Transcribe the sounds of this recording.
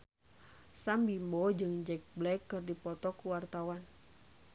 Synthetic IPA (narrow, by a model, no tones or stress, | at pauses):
sambimbɔd͡ʒɨŋd͡ʒɛk̚blɛkːɨrdipɔt̪ɔkuwart̪awan